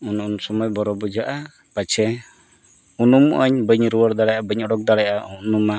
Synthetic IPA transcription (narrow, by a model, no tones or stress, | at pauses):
ununsɔmɔjbɔɾɔbud͡ʒaʔa | pat͡ʃʰɛ | unumʔəɲbəɲɾuwɔɾd̪aɽajabəɲɔɽɔk̚d̪aɽajʔaunuma